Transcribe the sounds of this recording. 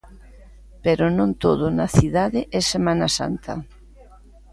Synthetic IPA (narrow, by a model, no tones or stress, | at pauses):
peɾʊnõnt̪oð̞ʊnɐθiðaðɪʔɛsemãnɐsa̰nt̪ʰɐ̰